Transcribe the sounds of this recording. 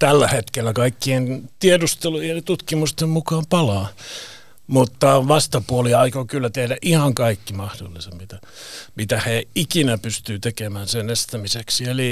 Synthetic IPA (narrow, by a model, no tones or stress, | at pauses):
t̪ælːæhet̪kelːækɑikːient̪iedust̪eluelit̪ut̪kimust̪emmukɑːmpɑlɑː | mut̪ːɑʋɑst̪ɑpuoliɑikokylːæt̪ehdæʔihɑŋkɑikːimɑhdo̰lːisemmit̪æ | mit̪æheikinæpyst̪yːt̪ekemæːnsenest̪æmiseksieli